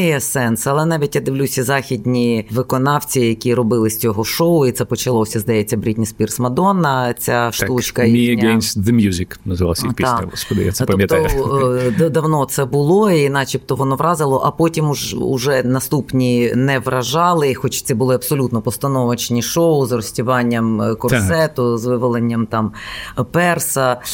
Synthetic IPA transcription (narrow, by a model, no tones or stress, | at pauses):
jɛsɛnsɐlˠɛnɑʋʲitʲjad̪ɪʋlʲusʲɐzɑxʲid̪ʲnʲiʋɪkɔnɑwt͡sʲijɐkʲiɾɔbɪlˠɪsʲt͡sʲɔɦɔʃoʊit̪sɛpɔt͡ʃɐlˠɔsʲɐzd̪ɐjɛt͡sʲːɐbɾʲitʲnʲispʲirsmɐd̪ɔnɐt͡sʲaʃt̪ut͡ʃkɐimʲienʲsʲd̪emʲjuzʲiknɐzɪʋɑ̰sipʲisskɔd̪ɪ̰ja̰sɛtpɐmjɐt̪ɔdd̪ɐwnɔt̪sɛbʊlˠɔinɑt͡ʃipt̪ɔʋɔnɔʋɾɑzɪlˠɔʔɐpotʲimuʐʊ̰ʒɛnɐst̪upnʲinɛʋrɐʒɑlˠɪxɔt͡ʃsʲibʊlˠɪɐbsɔlʲut̪nɔpɔst̪ɐnɔʋɐt͡ʃnʲiʃoʊzrɔsʲtʲʊʋɑnʲːɐmkɔrsɛt̪ʊzʋɪʋɔlˠenʲːɐmt̪ɑmpɛrsɐ